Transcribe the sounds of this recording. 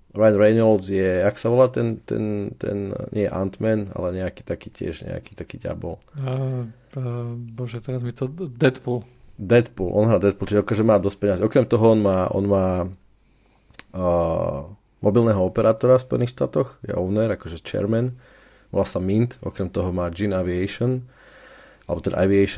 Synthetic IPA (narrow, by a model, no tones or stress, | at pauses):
ɾajanɾɛnɔlzjɛaksaʋɔlaːt̪ɛnt̪ɛ̰nt̪ɛ̰nɲɪɛjɛ̰ʔa̰nt̪mɛna̰lɛɲɛakiːt̪akiːcɪɛ̰ʒɲɛ̰a̰ki̥ːt̪akiːɟɪa̰bɔla | abɔʒɛt̪ɛɾazmit̪ɔd̪ɛt̪pul | d̪ɛt̪pulʔɔ̰nɦɾaːd̪ɛt̪̚pult͡ʃiʒɛɔkaʒɛmaːd̪ɔsc̚pɛɲaziɔkɾɛmt̪ɔɦɔɔnmaːʔɔ̰nmaː | mʔɔbilˠnɛɦɔɔpɛɾʔaːt̪ɔɾafspɔjɛniːxʃt̪a̰ːt̪ɔxjɛ̰ʔɔʊnɛɾakɔʒɛt͡ʃɛ̰ɾmɛn | ʋɔ̰lasamint̪ɔ̰kɾɛmt̪ɔɦɔmaːd͡ʒinaʋiɛjʃɔn | alɛbɔt̪ɛd̪a̰ʔaʋiɛʃ